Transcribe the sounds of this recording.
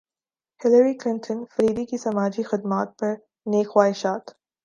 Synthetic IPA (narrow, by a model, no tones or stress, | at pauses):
hɪləɾiklɪ̃nʈʰənfɐɾiːd̪ikisɐmaːd͡ʒixɪd̪maːt̪̚pɐɾ | neːkxwaːɦɪʃaːt̪